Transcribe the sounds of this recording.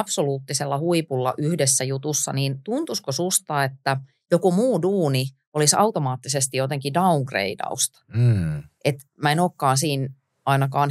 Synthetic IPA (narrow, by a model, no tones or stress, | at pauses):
ɑpsoluːt̪ːiselːɑhuipulːɑ̰ʔyhdesːæjut̪usːɑ̰niːnt̪unt̪uskosust̪ɑːet̪ːæ | jokumuːduːni | olisɑ̰ut̪omɑːt̪ːisest̪ijot̪eŋkidɑuŋɡrḛidɑ̰ust̪ | ʔet̪ | mæenoːkːɑːnsiːn | ɑinɑkɑːn